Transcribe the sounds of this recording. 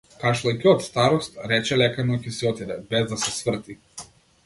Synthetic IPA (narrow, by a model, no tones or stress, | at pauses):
kaʃlˠajkʲiɔt̪st̪aɾɔst̪ɾɛt͡ʃɛlɛkanɔcɛsiɔt̪id̪ɛbɛzd̪asɛsvr̩t̪i